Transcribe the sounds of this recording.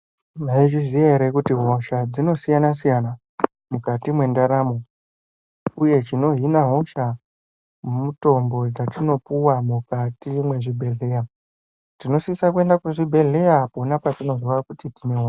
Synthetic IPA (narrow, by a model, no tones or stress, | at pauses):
maiʐizijaeɾekutiɦo̞ʃad͡zino̞sijanas̬ijana | mukatimwe̞ndaɾamo | uje̞t͡ʃino̞ɦinaɦo̞ʃa | muto̞mbo̞d͡zatino̞puwamukatimwe̞ʐibʱe̞ɮe̞ja | tino̞siisakue̞ndakuʐibʱe̞ɮe̞japonapatino̞ziʋakutitine̞ɦo